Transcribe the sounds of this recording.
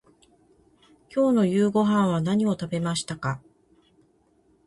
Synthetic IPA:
kʲo̞ːno̞jɯːɡo̞ɦãɰ̃β̞anaɲ̟io̞t̪abe̞maɕi̥t̪aka

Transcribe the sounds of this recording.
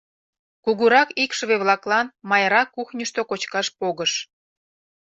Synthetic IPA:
kuɣuɾɑkikʃəβeβlɑklɑnmɑjɾɑkːuxnʲəʃt̪okot͡ɕkɑʃpoɣəʃ

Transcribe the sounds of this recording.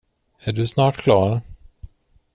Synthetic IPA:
æɖɵsnɑːʈkʰlɑːɾ

